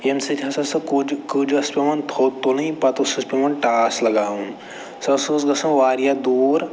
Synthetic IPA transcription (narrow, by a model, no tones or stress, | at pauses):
ensit̪ʲɦɐsɐsɐkud͡ʒkud͡ʒɐspemɐnt̪ʰoːt̪ːonɐɦĩpat̪osɐspemɐnʈaːslɐɡaːɦũ | sɐsosɡɐsɐ̃ʋaːɾjad̪uːɾ